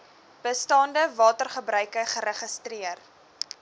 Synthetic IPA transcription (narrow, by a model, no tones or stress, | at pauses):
b̥əstɑːndəvɑːtərχəbrœɥkəχəɾəχəstriər